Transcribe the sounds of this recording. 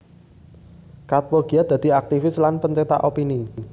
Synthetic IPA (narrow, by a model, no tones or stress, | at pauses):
kat̪̚woɡ̥i̤ad̪̥ä̤d̪̥i̤ak̚t̪ifɪslanpəɲt͡ʃet̪a̰ʔopini